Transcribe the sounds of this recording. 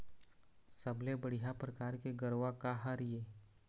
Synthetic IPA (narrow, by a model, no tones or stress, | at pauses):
səblebəɽijapɾəkaːɾkeɡəɾwakaɦaɾijeː